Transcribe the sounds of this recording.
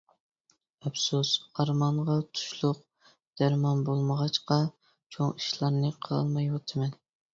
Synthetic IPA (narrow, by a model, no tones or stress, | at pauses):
ɛpsusɑɾmɑɴʁɑt̪ʰu̥ʃlˠʊq̚ | d̪̥æɾmɑnbolˠməʁɑt͡ʃqɑ | t͡ʃʰoŋiʃlˠɑɾnɨqʰlˠmɑjwɑt̪ʰɨmɛn